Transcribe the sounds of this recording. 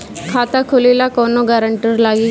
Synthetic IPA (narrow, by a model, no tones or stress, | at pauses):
kʰat̪akʰolelakɔnoɡaɾəɳʈiɾlaɡiː